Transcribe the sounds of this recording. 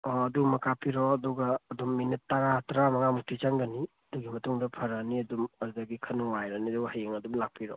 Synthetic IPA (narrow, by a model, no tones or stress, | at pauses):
ɔɐdumɐkapiɾɔɐduɡɐːdumːinitːaɡatɾamɐŋamuk̚tʰit͡ʃaŋɡɐniɐduɡimɐtuŋdɐpʰɐɾɐniɐdumɐɾdaɡikʰɐnuwajɾɐniɐduɡhajeŋɐdumlak̚pʰiɾɔ̰